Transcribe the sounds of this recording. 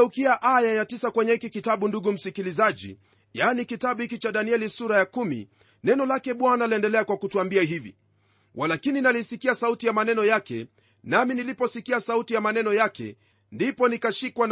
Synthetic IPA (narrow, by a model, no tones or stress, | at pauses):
ukiaʔajajatisakwɛɲɛhikikitaɓunduɠum̩sikilizaʄḭ | janikitaɓuhikit͡ʃaɗaniɛlisuɾajakumḭ | nɛnɔlakɛɓwanaliɛndɛlɛakwakutuambiaɦivḭ | walakininalisikiasautijamanɛnɔjakɛ̰ | naminilipɔsikiasautijamanɛnɔjakɛ̰ | ndipɔnikaʃikwa